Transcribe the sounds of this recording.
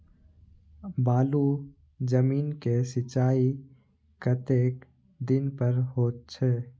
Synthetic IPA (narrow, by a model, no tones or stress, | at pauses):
baːlu | d͡ʒəmiːnkesɪt͡ʃaːi | kət̪eːk | d̪ɪnpəɾɦoːt̪̚t͡ʃʰɛː